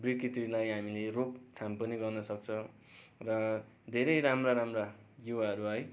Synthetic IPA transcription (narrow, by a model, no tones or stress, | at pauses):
brikitilajɦamilerokʈʰampʌniɡʌrnʌsʌk̚t͡sʰʌ̃ | rʌ | d̪ʱeɾʌjɾamraɾamrajuwaɦʌɾuʌj